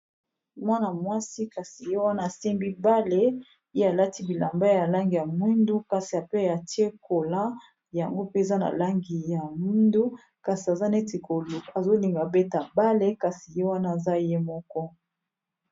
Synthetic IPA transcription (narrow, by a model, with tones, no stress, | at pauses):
mwa˦na˨mwa˦si˦ka˨si˨je˦wa˦na˦˨se˦mbi˦ba˦le˦ | je˦a˨la˦ti˦bi˨la˨mba˦ja˨la˦ŋɡi˨ja˨mwi˦ndu˦ka˨si˨a˨pe˦a˨ti˦e˦ko˨la˦ | ja˨ŋɡo˦pe˦e˨za˦na̰˨la˦ŋɡi˨ja˨mwi˦ndu˦ | ka˨si˨a˨za˦ne˦ti˨ko˨lo˨a˨zo˦li˨ŋɡa˨be˦ta˨ba˦le˦ka˨si˨je˦wa˦na˦˨za˦je˦mɔ˦kɔ˦